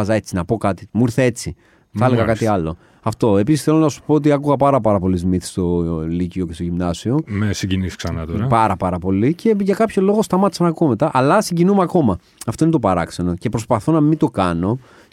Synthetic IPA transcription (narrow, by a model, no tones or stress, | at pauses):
ɐzɐe̞t͡sinɐpo̞kɐt̪i̥muiɾθee̞t͡si | θɐleɣɐkɐt̪iɐlo̞ | ɐft̪o̞e̞pisisθelonɐsu̥poot̪̬iɐkuɣɐpɐɾɐpɐɾɐpo̞lizmiθi̥st̪o̞licioce̞st̪oʝimnɐsio̞mesiɲɟinisi̥ksɐnɐt̪oɾɐpɐɾɐpɐɾɐpo̞lice̞ʝɐkɐpço̞lo̞ɣo̞st̪ɐmɐt̪i̥sɐnɐkuome̞t̪ɐʔɐlɐsiɲɟinumeɐko̞mɐ | ɐft̪o̞inet̪o̞pɐɾɐkseno̞ce̞pɾo̞spɐθo̞nɐmit̪o̞kɐno̞